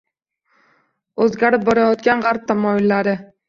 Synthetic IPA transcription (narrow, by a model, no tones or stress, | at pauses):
ɵzɡʲaɾɪp̚bɒɾajɒt̪ɡʲanʁaɾp̚t̪ʰamɒjɪlːaɾɪ